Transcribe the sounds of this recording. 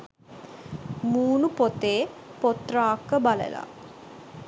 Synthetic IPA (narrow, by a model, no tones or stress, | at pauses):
muːnupot̪eːpot̪raːkːəbalə̰la̰